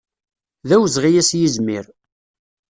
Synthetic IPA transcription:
ðæwzʁijæsjizmɪɾ

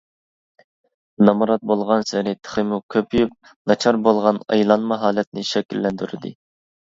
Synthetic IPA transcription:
nɑmɑɾɑt̪̚bolˠʁɑnsɪɾɪt̪ʰə̥χəmukʲʰøpʰjyp̚ | nɑt͡ʃʰɑɾbolˠʁɑnɑ̰jlˠɑnmɑɦɑːlɛt̪̚nɪʃɛkʲilːɛnd̪yɾɪ̰d̪ɪ̰

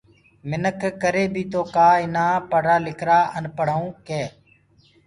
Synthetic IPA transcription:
mɪnəkʰkəɾeːbʱiːt̪oːkaːɪnaːpəɽ̤aːlɪkʰɾaːʔənpəɽ̤aũːkeː

